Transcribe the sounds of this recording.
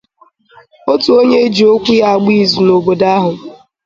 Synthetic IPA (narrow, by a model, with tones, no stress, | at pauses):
o˦tu˨o˦ɲe˦e˦d͡ʒi˨o˦kʷu˦ja˦˨ɡ͡bi˦˨zu˨no˨bo˨da˦ɦʊ˨